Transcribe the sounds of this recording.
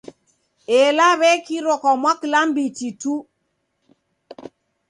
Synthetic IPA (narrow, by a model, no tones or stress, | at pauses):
elaβɛkiɾɔkɔmwaklambititu